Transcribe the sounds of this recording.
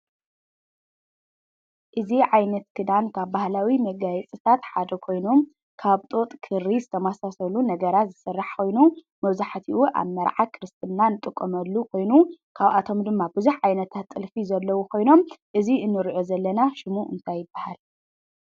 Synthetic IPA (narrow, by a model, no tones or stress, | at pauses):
ʔɨziʕajnɐt̪kʰɨd̪ankʰaβbahlawimɐɡajɛt͡sʼɨt̪ʰat̪ħad̪ɐkʰo̞jno̞m | kʰaβt̪ʼo̞t̪ʼkʰɨɾːizɨt̪ʰɐmasasɐlunɐɡɐɾat̪zɨsɨrːaħkʰo̞jnu | mɐβzaħt̪ʰiʔuʔa̰βmɐɾʕakʰɨɾɨst̪ʰʼɨnːanɨt̪ʼɨkʼːomɐlːukʰo̞jnukʰaβat̪ʰo̞md̪ɨmːabɨzuħʕajnɐt̪ʰat̪ʼːɨlfizɐlːɐwukʰo̞jno̞mʔɨziʔɨnːɨɾʕozɐlːɐnaʃɪmuʔɨ̰nt̪ʰajːɪbːahal